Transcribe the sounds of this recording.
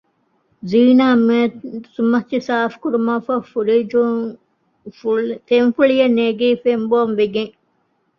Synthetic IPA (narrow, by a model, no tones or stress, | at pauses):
ziːnaːmesumɐtːisaːfkuɾumaːfɐfuɾid͡ʒ | t̪enfuɭijɐnːeɡiːfemboːnʋeɡeŋ